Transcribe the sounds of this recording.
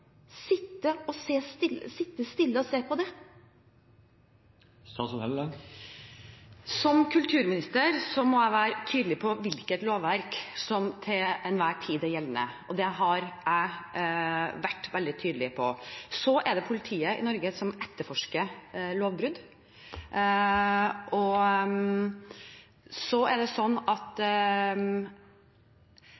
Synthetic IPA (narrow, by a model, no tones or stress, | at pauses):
sɪt̪ːəɔseːst̪ɪlːəsɪt̪ːəst̪ɪlːəɔseːpʰɔd̪ɛ | st̪ɑsɔhɛlə | sɔmkʰʉlt̪ʰʉːɾmɪnɪst̪əɾsɔmɔæɪʋæːɾət̪ʰyːd̪əlɪpʰɔʋɪlkət̪loːʋʋæɾksɔmt̪ʰɪɛnʋæːʈʰiːd̪ɛjɛlːənə̰ʔɔd̪ɛɦɑɾæɪ | ʋæʈːʋɛld̪ɪt̪ʰyːd̪əlɪpʰɔsɔʔɛɖɛpʰʊlɪt̪ʰiːəɪ̰nɔɾɡəsɔmɛt̪ːəɾfɔʂkəɭoːʋbɾʉd̪ | ʔɔ | sɔæɖɛsɔnːɑt̪